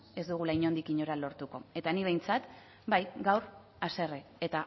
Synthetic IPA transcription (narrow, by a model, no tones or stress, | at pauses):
e̞zd̪uɣ̞ulajɲo̞nd̪ikiɲoɾalo̞ɾt̪uko̞e̞t̪aniβ̞e̞jnt͡sat̪ | bajɡawɾ | ase̞reet̪a